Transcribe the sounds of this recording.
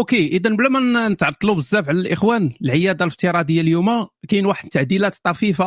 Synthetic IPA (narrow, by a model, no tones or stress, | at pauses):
ʔokeʔəd̪ænblæmænnət̪ʕɑɾˤt̪ːˤlubəzːæfʕlælʔəxwænəlʕəjæd̪aləft̪iɾˤɑd̪əjːaljumækæjənwaħəd̪̚t̪ːaʕd̪ilæt̪t̪ˤːɑfifa